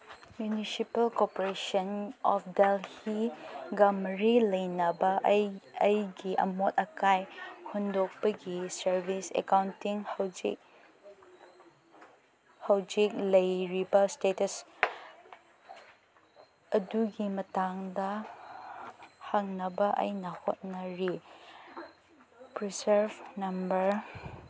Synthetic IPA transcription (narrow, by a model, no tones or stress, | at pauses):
mjunisipɐlkopoɾesɐnɔfdelhiɡɐmɾilɐjnɐbɐɐjɡiʔɐ̰mot̚ɐkʰajhundok̚pɐɡisɐɾbisḛkawntiŋhɐwd͡ʒḭk̚ | hɐwd͡ʒik̚lɐjɾibɐstetɐs | ɐduɡimɐtaŋdɐ | haŋnɐbɐʔɐ̰jnɐho̰t̚nɐɾi | pɾiseɾbnɐmbɐɾ